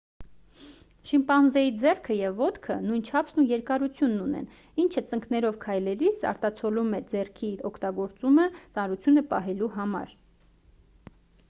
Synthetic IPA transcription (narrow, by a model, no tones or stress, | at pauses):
ʃimpɑnzɛid͡zɛrkʰəjɛvːɔt̪kʰənujnt͡ʃʰɑpʰsnujɛɾkɑɾut͡sʰjunːunɛ̰n | int͡ʃʰət͡səŋknɛɾɔvkʰɑjlɛɾisɑ̰ɾt̪ɑt͡sʰɔlumɛd͡zɛrkʰiɔkʰt̪ɑɡɔɾt͡sumət͡sɑnɾut͡sʰjunəpɑɦɛluɦɑmɑ̰ɾ